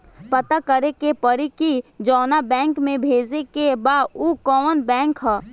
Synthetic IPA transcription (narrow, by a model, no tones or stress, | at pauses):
pət̪akəɾekepəɾikid͡ʒɔːnabɛ̃ːŋkmẽbʱeːd͡ʒekebaːukɔənbɛ̃ːŋkɦɛː